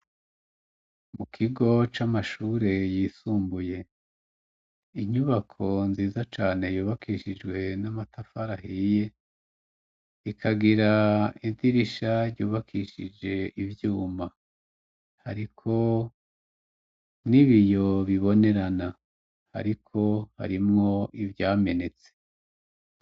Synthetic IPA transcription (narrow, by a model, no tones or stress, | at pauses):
mukʰiɡo̞t͡ʃamaʃuɾe̞jiːsuːmbuje̞ | iɲuβakʰo̞nziːzat͡ʃaːne̞juːβakʰiʃid͡ʒɡwe̞namatʰafaɾaɦije̞ | ikʰaɡiɾaidiɾiʃaɾɟuːβakʰiʃid͡ʒe̞ivjuːma | ha̰ɾikʰo̞ | niβijo̞βiβo̞ne̞ɾana | ha̰ɾikʰo̞ha̰ɾimŋo̞ʔivjaːme̞ne̞t͡se̥